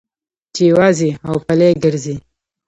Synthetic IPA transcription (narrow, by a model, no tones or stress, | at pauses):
t͡ʃejwɑːziawpaleɡəɾzi